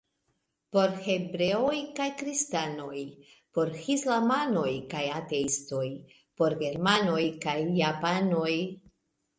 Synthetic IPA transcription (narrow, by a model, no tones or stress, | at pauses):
po̞ɾhe̞bɾe̞o̞jkajkɾistano̞j | po̞ɾhislamano̞jkajate̞isto̞j | poɾɡe̞ɾmano̞jkajːapano̞j